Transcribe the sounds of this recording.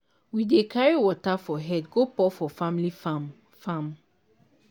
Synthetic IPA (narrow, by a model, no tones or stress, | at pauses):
widekʰaɹiwɔtafɔɦɛdɡopɔfɔfãmlifam | fãm